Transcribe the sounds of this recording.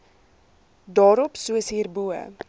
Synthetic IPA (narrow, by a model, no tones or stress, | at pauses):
dɑːɾɔpsuəsɦiːrbuə̰